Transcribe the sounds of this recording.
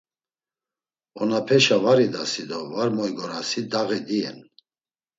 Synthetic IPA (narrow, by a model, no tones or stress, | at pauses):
ɔnapʰɛʃavaɾid̪asid̪ɔvaɾmɔjɡɔɾasid̪aɣɛd̪iɛ̰n